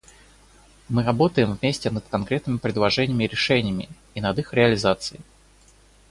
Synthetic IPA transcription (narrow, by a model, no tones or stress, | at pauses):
mɨɾɐbo̞t̪əjɪmvmʲesʲtʲɪnəd̪kɐnkɾʲet̪nɨmʲɪpɾʲɪd̪lˠɐʐɛnʲɪːmʲɪɾʲɪʂɛnʲɪjəmʲɪ̰ː | nɐd̪ixɾʲɪəlʲɪzat̪sɨɪ